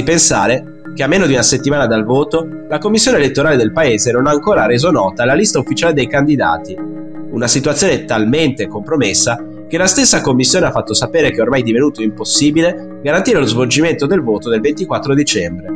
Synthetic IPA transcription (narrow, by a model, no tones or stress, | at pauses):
ipensa̰ːɾe | k̟eamːeːnod̪iunaset̪ːimaːnad̪alvoːt̪o | lakomːisːjoːneːlet̪ːoɾaːled̪elpaeːzenonaːŋkoːɾaɾeːzonɔːt̪alalist̪aufːit͡ʃaːled̪ejkand̪id̪a̰ːt̪i | unasit̪wat̪sjoːnet̪alment̪ekompɾomesːa | k̟elast̪esːakomːisːjoːneafːat̪ːosapeːɾekɛormajd̪ivenuːt̪oimposːiːbile | ɡaɾant̪iːɾelozvold͡ʒiment̪od̪elvoːt̪od̪elvent̪ikwat̪ːɾod̪it͡ʃɛmbɾe